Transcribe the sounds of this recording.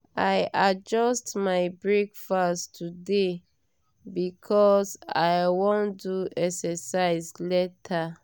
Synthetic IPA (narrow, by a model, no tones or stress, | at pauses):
ajad͡ʒɔstmaɪbɹekfastʰude | bikʰɔsa̰jwõnduɛksɛsaɪslɛtʰa